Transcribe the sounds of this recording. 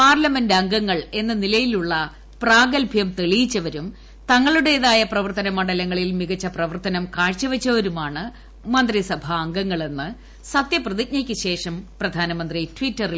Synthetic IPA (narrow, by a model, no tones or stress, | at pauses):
paːrlɐmendɐŋɡɐŋːɐɭe̞nːɨnilɐjiluɭːɐ | praːɡɐlpjɐmt̪e̞ɭijit͡ɕːɐʋɐɾum | t̪ɐŋːɐɭuɽe̞ðaːjɐprɐʋɐrt̪ɐnɐmɐɳɖɐlɐŋːɐɭilmiɣɐt͡ɕːɐprɐʋɐrt̪ɐnɐmkaːɻt͡ɕːɐʋɐt͡ɕːɐɐɾumaːɳɨ | mɐnd̪risɐbʱɐːŋɡɐŋːɐɭe̞nːɨ | sɐt̪jɐprɐðik̚ɲɐkʲːɨɕe̞ːʂɐmprɐd̪ʱaːnɐmɐnd̪ritʋitːɐril